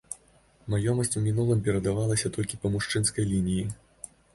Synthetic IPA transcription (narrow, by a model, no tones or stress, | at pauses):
majɔmɐsʲt͡sʲmʲinulˠɨmpʲɛɾɐd̪avalˠɐsʲɐt̪ɔlʲkʲipɐmuʂt͡ʂɨnskɐjlʲinʲiji